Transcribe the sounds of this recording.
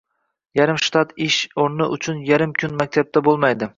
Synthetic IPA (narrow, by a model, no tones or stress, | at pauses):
jaɾɪmʃt̪ʰɑt̪ɪʃoɾnɪʔʊt͡ʃʰʊnjaɾɪmkʰʲʊnmak̚ʲt̪ʰab̚t̪ʰabolˠmajd̪ɪ